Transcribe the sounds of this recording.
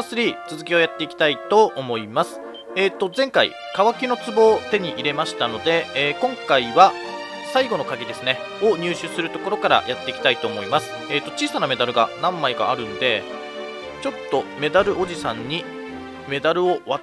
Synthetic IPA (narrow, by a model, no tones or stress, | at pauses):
sɨɾʲit͡sɨzɨkʲio̞jat̪ːe̞ikʲi̥t̪ait̪o̞omo̞imasɨ̥ | eːt̪ːo̞zẽ̞ŋkaḭ | kaβakʲino̞t͡sɨbo̞ːt̪e̞ɲ̟iʔiɾe̞maɕi̥t̪ano̞d̪e̞ːkõ̞ŋkaiβa | saiɡo̞no̞kaɡʲid̪e̞sɨne̞ | o̞ɲ̟ʲɨːɕɨsɨɾɯ̟t̪o̞ko̞ɾo̞kaɾa̰jat̪ːe̞ikʲi̥t̪ait̪o̞ːmo̞imasɨ̥eːt̪ːo̞t͡ɕiːsaname̞d̪aɾɯ̟ɡa̰nãmːaiɡa̰ːɾɯ̟̃nd̪e̞ | t͡ɕo̞t̪ːo̞me̞d̪aɾɯ̟ʔo̞ʑisãɲ̟ːi | me̞d̪aɾɯ̟o̞βa